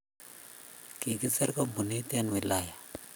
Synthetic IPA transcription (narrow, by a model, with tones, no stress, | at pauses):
ki˨kɪ˦sɛ˦ɾkɔ˦mbu˨ni˦tɛ˦nwɪ˨la˦˨ja˨